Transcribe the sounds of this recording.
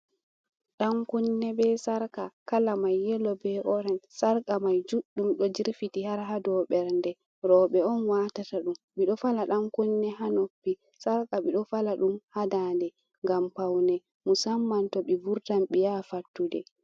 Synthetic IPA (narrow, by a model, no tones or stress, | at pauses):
ɗamkunːɛbɛsaɾkakalamajːɛlɔbɛʔɔɾɛnsaɾkʼamajd͡ʒuɗːumɗɔd͡ʒiɾfitihaɾɦadɔɓɛɾndɛ | ɾɔɓɛɔnwatataɗumɓiɗɔfalaɗamkunːɛɦanopːi | saɾkaɓiɗɔfalaɗumhadandɛ | ŋɡampawnɛ | musamːantɔɓibuɾtamɓijafatːudɛ̰